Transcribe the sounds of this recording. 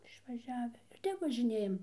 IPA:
ɪʃʋɐˈʒʲæːʋʲɪ ɪr ˈtʲɛp ʋɐʒʲɪˈnʲeːjɛm

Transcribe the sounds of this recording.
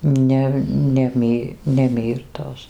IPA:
ˈnʲɛ nʲɛ ˈmʲiː nʲɛ ˈmʲiːrtoːs

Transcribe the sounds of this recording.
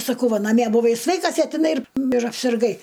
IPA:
sɐˈkɐʊ ˈʋɐ nɐˈmʲiɛ bʊˈʋɐɪ ˈsʲʋʲɛɪkɐs ɐ tʲɪˈnɐɪ ɪr ɪr ɐpʲsʲɪrˈɡɐɪ

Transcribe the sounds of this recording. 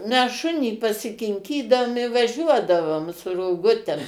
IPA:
mʲɛs ˈʃʊnʲiː pɐsʲɪkʲɪŋʲˈkʲiːdɐʊm ɪ ʋɐˈʒʲuɔdɐʋoːm sʊ roːˈɡʊtʲɛm

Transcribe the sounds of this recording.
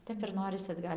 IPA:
ˈtʲɛp ɪr ˈnoːrʲɪsʲɪ ɐdˈɡɐlʲ

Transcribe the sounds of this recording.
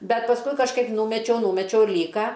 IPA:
ˈbʲɛt pɐsˈkʊɪ kɐʃˈkɐɪp ˈnuːmʲɛt͡ʃʲɛʊ ˈnʊmʲɛt͡ʃʲɛʊ ˈlʲiːkɐ

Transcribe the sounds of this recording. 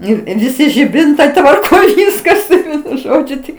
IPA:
ˈnʊ ɪ ʋʲɪˈsʲɪ ʒʲɪˈbʲɪntɐɪ tʋɐrˈkoːj ˈʋʲɪskɐs ˈʋʲiɛnʊ ˈʒoːd͡ʒʲʊ ˈtʲɪk

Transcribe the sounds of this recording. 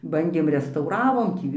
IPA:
ˈbɐnʲdʲeːm rʲɛstɐʊˈrɑːʋoːm ˈtʲiː

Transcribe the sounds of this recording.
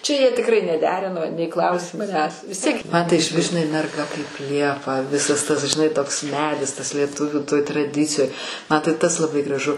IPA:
ˈt͡ʃʲɛ jiɛ tʲɪkˈrɐɪ nʲɛˈdʲæːrʲɪnoː nʲɛɪ ˈklˠɐʊsʲeː mɐˈnʲæːs ʋʲɪs ˈtʲiɛk mɐn tɐɪ ɪʃʲˈʋʲɪs ʒʲɪnɐɪ mʲɛrˈɡɐ kɐɪp ˈlʲiɛpɐ ˈʋʲɪsɐs tɐs ʒʲɪˈnɐɪ toːks ˈmʲæːdʲɪs tɐs lʲiɛˈtʊʋʲuː toːj trɐˈdʲɪt͡sʲɪjoːj mɐ tɐɪ ˈtɐs lˠɐˈbɐɪ ɡrɐˈʒʊ

